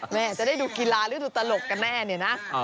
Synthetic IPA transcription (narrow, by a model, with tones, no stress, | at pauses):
mɛː˧˩a˨˩t͡ɕa˨˩da˥˩jduː˧ki˧laː˧ɾɯː˦˥duː˧t̪a˧lo˨˩kka˧nːɛː˥˩ni˧˩na˦˥